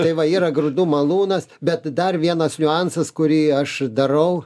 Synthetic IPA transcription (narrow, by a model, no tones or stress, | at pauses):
tɐɪʋɐiːɾɐɡrʊd̪uːmɐlˠuːnɐsbʲɛt̪d̪ɐrʋʲiɛnɐsnʲʊɑnsɐskʊɾʲiːɐʃd̪ɐɾɐʊ